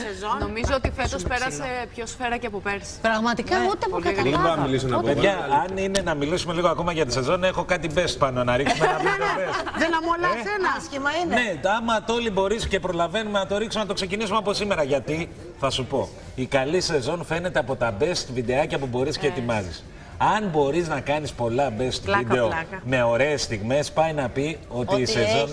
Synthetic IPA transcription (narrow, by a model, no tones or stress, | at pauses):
sezonomizoot̪ifet̪ospeɾɐsepço̞sfeɾɐceɐpopeɾspɾɐɣmɐt̪ikɐut̪epokɐbonɐmilisnɐveðʝɐːnine̞nɐmilisume̞liɣoɐko̞mɐʝɐt̪ise̞zo̞ne̞xo̞kɐt̪ibe̞st̪̚pɐno̞nɐɾiksumet̪ɐpepesðenɐmolɐeenɐscimɐinne̞ɐmɐt̪o̞libo̞ɾisce̞pɾo̞lɐve̞numenɐt̪o̞ɾiksumenɐt̪okse̞cinisumeɐpo̞sime̞ɾɐʝɐt̪i | θɐsupo̞ | ikɐlise̞zo̞nfe̞ne̞t̪eɐpo̞t̪ɐbe̞st̪vid̪e̞ɐcɐpubo̞ɾisce̞ːt̪imɐzḭs | ɐnbo̞ɾiznɐkɐnispo̞lɐbe̞st̪vid̪e̞ome̞o̞ɾe̞ːst̪iɣme̞spɐjnɐpio̞t̪issezon